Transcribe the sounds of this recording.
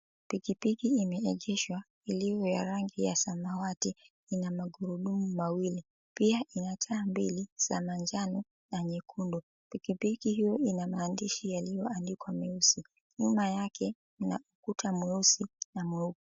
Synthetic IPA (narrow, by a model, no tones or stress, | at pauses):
pikipikiimɛɛʄɛʃwa | iliɔjaɾaŋɡija̰samawati | inamaɡuɾuɗumumawili | piaʔinatʰaːmbilisa̰maɲd͡ʒanɔ | naɲɛkʰundɔ | pikipikihijɔinamaːndiʃijalijɔandikwamɛusi | ɲumajakʰɛ | na̰ukutʰamwɛusinamwɛuku